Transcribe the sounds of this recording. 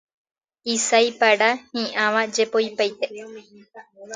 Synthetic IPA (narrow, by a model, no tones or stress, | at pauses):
isajpaɽahĩʔãʋad͡ʒepojpajt̪e